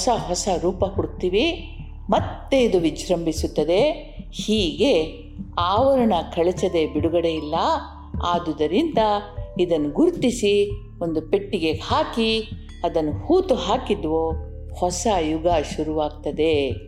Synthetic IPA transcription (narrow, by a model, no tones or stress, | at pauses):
sɐɦɔsɐɾuːpɐkuɽt̪iːʋi | mɐt̪ːeid̪uʋid͡ʒɾɐmbisut̪ːɐd̪e̞ | hiːɡe̞ | aːʋɐɾɐɳɐkʰɐɭet͡ʃɐd̪e̞biɽuɡɐɽe̞jilːɐ | aːd̪ud̪ɐɾind̪ɐid̪ɐnːuɡuɾt̪isi | ond̪upe̞ʈːiɡe̞haːki | ɐd̪ɐnːuhuːt̪uɦaːkid̪ʋo | hɔsɐjuɡɐʃuɾuʋaːɡt̪ɐd̪e̞